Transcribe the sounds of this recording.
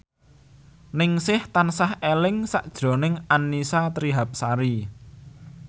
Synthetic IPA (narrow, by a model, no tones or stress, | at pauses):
nɪŋsɪht̪ansahelɪŋsaʔd̥ʒ̥ɾo̤nɪŋanːisat̪ɾiɦap̚saɾi